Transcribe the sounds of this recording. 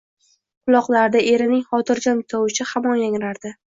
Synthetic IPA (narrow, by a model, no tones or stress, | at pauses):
qʰʊlˠɒqlˠaɾd̪aʔe̞ɾɪnɪŋχɒt̪ʰɪɾd͡ʒɒnt̪ʰɒwɪʃɪhamɒnjaŋɾaɾd̪ɪ